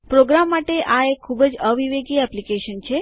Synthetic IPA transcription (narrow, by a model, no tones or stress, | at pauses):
pɾoɡɾamːaʈeʔaekʰːubəd͡ʒəʋiʋeɡiɛplikeʃənt͡ʃʰe